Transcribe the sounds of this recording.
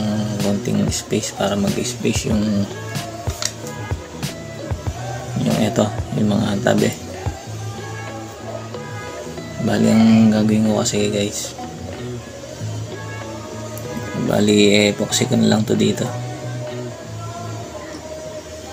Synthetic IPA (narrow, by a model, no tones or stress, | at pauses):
kont̪ɪ̰ŋɪspɛjspaːɾɐmɐɡɪspejsjʊŋ | jʊ̰ŋʔɛt̪ojʊmɐŋa̰t̪a̰bɛ | baːlḭʔɐŋɡaːɡuɪnkokɐsɛɡajs | ba̰ːliʔɛpoksɪkonlaŋt̪od̪it̪o